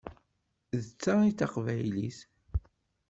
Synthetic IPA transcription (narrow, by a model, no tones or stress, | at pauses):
ðət͡sːaiθaqvæjlḭθ